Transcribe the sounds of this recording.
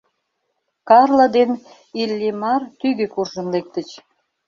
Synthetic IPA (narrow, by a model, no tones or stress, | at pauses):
kɑrləd̪en | ilʲːimɑrt̪yɣøkurʒənlek̚t̪ət͡ɕ